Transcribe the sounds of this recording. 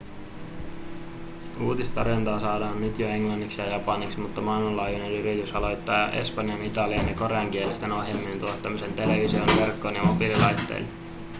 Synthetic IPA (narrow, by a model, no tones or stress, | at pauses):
uːt̪ist̪ɑrjont̪ɑːsɑːdɑːnnyt̪joe̞ŋlɑnːiksjɑjɑpɑniksmut̪ːɑmɑilmɑlɑːjune̞nryɾit̪ysɑlo̞jt̪ːɑːjɑ̰ʔe̞̰spɑnjɑnit̪ɑliɑnjɑko̞ɾe̞ɑŋk̟ielest̪e̞no̞ɦjemːint̪uot̪ːɑmise̞nt̪e̞le̞ʋisionʋe̞rkːo̞njɑmobililɑjt̪ːe̞̰jl